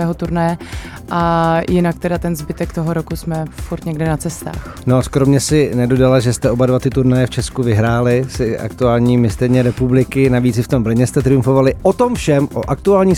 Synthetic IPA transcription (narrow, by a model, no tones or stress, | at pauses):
ɛːɦot̪uɾnɛjɛ | ʔajɪnak̚t̪ɛdat̪ɛnzbɪt̪ɛkt̪oɦoɾokusmɛfuɾt̪ɲɛɡdɪnat͡sɛst̪a̰ːx | noskɾomɲɛsɪnɛdo̞dalaʒɛst̪ɛʔo̞badvat̪ɪt̪uɾnajɛft͡ʃɛskuvɪɦɾaːlɪsɪʔa̰k̚t̪uaːlɲiːmɪst̪ɛɾɲɛɾɛpublɪkɪnaviːt͡sɪft̪o̞mbr̩ɲɛst̪ɛt̪ɾɪjumɱfo̞valɪʔot̪o̞mfʃɛmʔo̰ʔak̚t̪uaːlɲiː